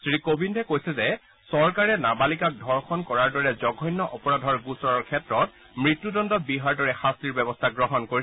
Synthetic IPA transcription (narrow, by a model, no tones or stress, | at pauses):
sɹikobʱindʱɛkojsɛzɛ | sɔɹkaɹɛnabalikak̚dʱɔɹxʰɔnkɔɹaɹdɔɹɛzɔɡʱɔjnːɔʔɔpɔɹadʱɔɹɡusɔɹɔɹkʰɛtɹɔt | mɹitːudɔndɔt̚biɦaɹdɔɹɛxastɹiɹbɛbɔstʰaɡɹɔɦɔnkoɹi